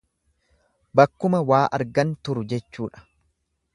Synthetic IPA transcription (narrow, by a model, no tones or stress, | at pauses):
bɐkːʊmɐwaːʔɐ̰ɾɡɐnt̪ʊɾʊd͡ʒɛt͡ʃːuːᶑɐ̥